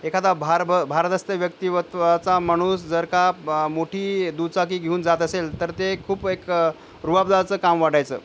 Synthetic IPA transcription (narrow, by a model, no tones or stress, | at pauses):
ekʰat̪abʱaɾbəbʱaɾt̪əst̪əʋjək̚t̪iʋət̪ʋat͡samaɽ̃uːsd͡zəɾkamoʈʰiːd̪ut͡sak̬iːɡʱeuːnd͡zat̪əselt̪əɾt̪ekʰuːpek | ɾuɦabd͡zat͡səːkamʋaɽajt͡sə̰ː